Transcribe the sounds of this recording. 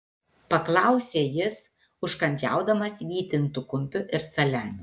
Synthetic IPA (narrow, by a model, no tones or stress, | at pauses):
pɐklˠɑˑʊsʲeːjɪs | ʊʃkɐnʲd͡ʒʲæ̰ˑʊd̪ɐmɐsʋʲiːt̪ʲɪnt̪ʊkʊmʲpʲʊʔɪɾsɐlʲænʲʊ